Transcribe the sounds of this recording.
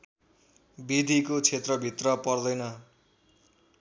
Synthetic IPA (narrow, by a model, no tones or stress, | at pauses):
bid̪ʱikot͡sʰet̪rʌbʱit̪rʌpʌrd̪ʌjnʌ